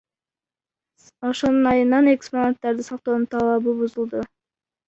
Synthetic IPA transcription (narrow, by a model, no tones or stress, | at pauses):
oʃo̞nunɑjɯnɑneksponat̪ːɑɾd̪isɑq̚t̪o̞ːnut̪ʰɑlˠɑbubuzulˠd̪u